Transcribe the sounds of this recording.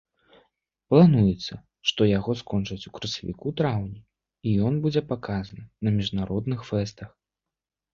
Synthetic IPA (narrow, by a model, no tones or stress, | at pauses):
plˠanujɛt̪sːɐ | ʂt̪ɔjaɣɔskɔnt͡ʂɐt͡sʲukɾɐsʲɐvʲḭkut̪ɾawnʲi | ijɔnbud͡zʲɛpakazɐnɨnɐmʲiʐnaɾɔd̪nɨxfɛst̪ɐx